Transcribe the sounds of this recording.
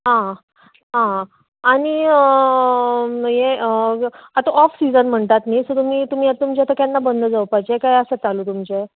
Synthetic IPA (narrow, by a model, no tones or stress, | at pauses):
ɦã | ɦã | aɽ̃iə | jeəat̪aʔɔfsid͡zənm̤əɳt̪at̪nisət̪um̤iːt̪um̤iːat̪umt͡ɕat̪akjanːabənd̪ʱəd͡zəwpajt͡ɕekajəsət͡saluːt̪umt͡ɕe